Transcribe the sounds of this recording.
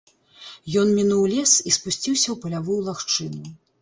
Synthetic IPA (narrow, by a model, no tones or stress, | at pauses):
jɔnmʲinuwlʲɛsispusʲt͡sʲiwsʲɐwpɐlʲavujulˠaxt͡ʂɨnu